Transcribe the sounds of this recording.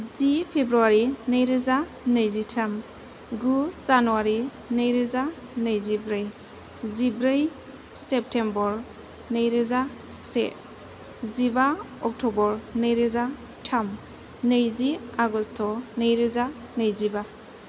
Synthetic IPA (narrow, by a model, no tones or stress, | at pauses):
zipʰebɾuaɾinəjɾeza | nəjzitʰam | ɡuzanuaɾi | nɯjɾeza | nəjzibɾɯj | zibɾɯj | sep̚tʰembɔɾ | nəjɾeza | sḛ | ziba | ɔk̚tʰɔbɔɾnɯjɾeza | tʰam | nəjziaɡɔstʰɔnəjɾeza | nəjziba